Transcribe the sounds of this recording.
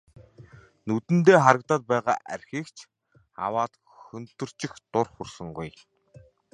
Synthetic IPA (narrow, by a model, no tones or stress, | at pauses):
nɵt̪ɘ̆nt̪eːχaɾə̆k̚t̪aːt̪̚pæːʁa̰ːʔæ̰rʲxiːkt͡ɕʰ | a̰waːt̪ | xɵnt̪ɵ̆r̥t͡ɕɪ̆xt̪ʊrχursɵ̆ŋɡuj